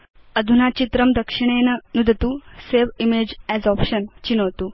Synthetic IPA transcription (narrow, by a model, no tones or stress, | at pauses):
əd̪ʱunat͡ɕit̪ɾəmd̪əkʂiɽ̃ennud̪ʱt̪useʋimed͡ʑɛzɔpɕənt͡ɕinəʋt̪uː